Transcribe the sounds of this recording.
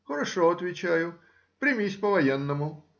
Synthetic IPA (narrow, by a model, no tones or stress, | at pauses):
xəɾɐʂoɐt̪vʲɪt͡ɕajʊ | pɾʲɪmʲisʲpəvɐjenːəmʊ